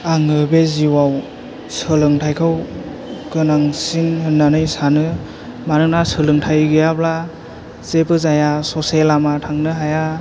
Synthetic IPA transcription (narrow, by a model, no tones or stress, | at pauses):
aŋɯbeziwaw | sɯlɯŋtʰajkʰɯw | kɯnaŋsinhɯnːanɯjsanɯ | manɯnasɯlɯŋtʰajɡɯjabla | z̥ebɯzajasɔselamatʰaŋnɯɦaja